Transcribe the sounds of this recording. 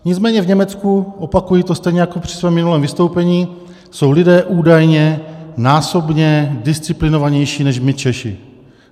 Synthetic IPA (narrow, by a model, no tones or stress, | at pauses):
ɲɪt͡smɛːɲɛvɲɛmɛt͡skuʔopakujiːt̪o̞st̪ɛjɲɛjakopr̥ɪsvɛːmːɪnulɛːmvɪst̪o̞wpɛɲiː | so̞wlɪdɛːʔuːdajɲɛnaːso̞bɲɛdɪst͡sɪplɪnovaɲɛjʃiːnɛʃmɪt͡ʃɛʃɪ̰